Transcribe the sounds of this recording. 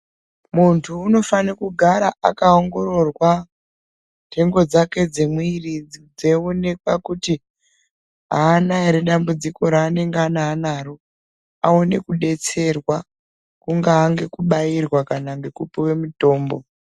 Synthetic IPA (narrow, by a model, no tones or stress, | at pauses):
muntʰuːno̞fanekuɡʱaɾaʔakaoŋɡo̞ɾo̞rwa | ntʰe̞ŋɡo̞d͡zake̞d͡zemuirid͡zid͡ze̞one̞kwakuti | ɦaːnaiɾeɗambud͡ziko̞ɾaːne̞ŋɡeanaːnaːɾo | ao̞ne̞kuɗe̞t͡se̞rwa | kuŋɡaːŋɡe̞kuɓairwakanaŋɡekupiwe̞muto̞ːmbo̞